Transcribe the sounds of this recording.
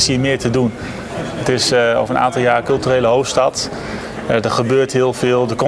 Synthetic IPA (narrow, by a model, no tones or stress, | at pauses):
sɦiːɹmɪːɹtədun | ətɪso̰vəna̰ːntɑlˠjaːrkɵlˠtyrejləɦowftstɑt | dəɹχəbøːɹtɦɪːlˠv̥ɪːlˠdəkɔ̃